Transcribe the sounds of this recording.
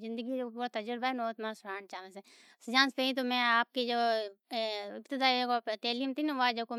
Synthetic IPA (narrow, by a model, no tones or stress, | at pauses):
zɪ̃nd̪əɡid͡ʒopuːɾat̪ɐd͡ʒəɾbaɦɛnoːt̪mãsʊɾaːnt͡ʃaːnese | sd͡ʒãːnspeĩt̪̬omɛ̃aːp̚ked͡ʒoː | ɪpt̪ɪd̪aːiekot̪eːliːmt̪ʰinʋad͡ʒoko